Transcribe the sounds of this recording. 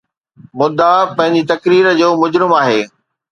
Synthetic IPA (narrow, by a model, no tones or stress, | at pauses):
mʊd̪ːapɐ̃ɦɪ̃ɲd͡ʑit̪ɐkɾiːɾd͡ʑoːmʊd͡ʑɾɪmaːɦeː